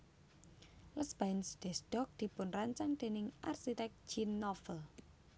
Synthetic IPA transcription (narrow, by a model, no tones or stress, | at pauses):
ləsb̥ansd̪̥ɛsd̥ɔk̚d̪̥i̤pʊnraɲt͡ʃaŋd̪̥e̤nɪŋʔarsit̪ɛk̚d͡ʒinːɔfəl